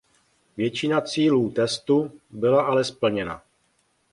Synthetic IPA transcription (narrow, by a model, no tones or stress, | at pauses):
vjɛt͡ʃɪnat͡siːluːt̪ɛst̪ubɪlaʔalɛspl̩ɲɛna̰